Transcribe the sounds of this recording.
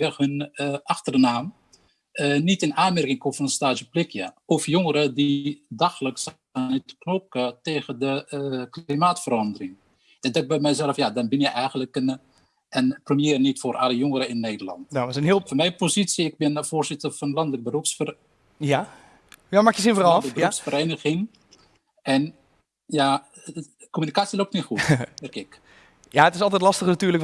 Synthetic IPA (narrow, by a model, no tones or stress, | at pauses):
ʋɛxhʏnʔɑxtərnaːm | ənitɪnaːnmɛrkɪŋkofɔnənstaːʒəplɪkjəɔfjoŋəɾədidaxələks | anitknokəteːɣədəklimaːtfərɑndərɪŋ | dɛdɔk̚bɛjmɛjzɛləfjadɔnbɪnjəjʔɛjɣənləkən | ənprəmjeːrnitforʔa̰ləjoŋəɾəɪnːeːdəlɑ̰ntnaɔsənhilˠfɔnmɛjpozitsiɪk̚bɪnvoːrzɪtərfɔnlɑndələk̚bəruksfər | ja | jamakjəsɪnfərəbəuksfəɾeːnəɣɪŋ | ɛn | ja | komynikaːtsjəlok̚tnitxuɛrkɪk | jaətɪsɔlˠtɛtlɑstəxnatyːlək